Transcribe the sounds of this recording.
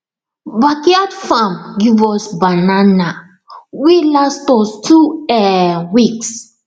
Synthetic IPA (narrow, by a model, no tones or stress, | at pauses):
bakiadfãmɡivɔsbanana | wilastɔstʰuɛwiks